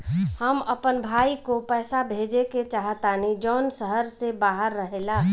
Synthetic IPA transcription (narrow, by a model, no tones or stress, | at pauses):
həməpənbʱaːikopɛːsabʱeːd͡ʒeket͡ʃaːɦət̪aːnid͡ʒɔːnsəɦəɾsebaːɦəɾːəɦela